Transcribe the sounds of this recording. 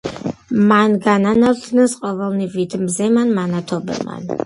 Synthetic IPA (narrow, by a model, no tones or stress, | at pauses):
manɡananaɾt̪ʰnɛsqʼɔvɛlˠnivit̪ʰmzɛmanmanat̪ʰɔbɛ̰lˠma̰n